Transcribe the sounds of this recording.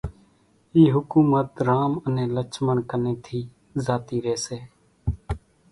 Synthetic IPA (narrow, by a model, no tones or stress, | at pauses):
iːɦʊkuːmət̪ɾaːmənẽːlət͡ʃməɳkənẽːt̪ʰiː | zaːt̪iːɾeːseː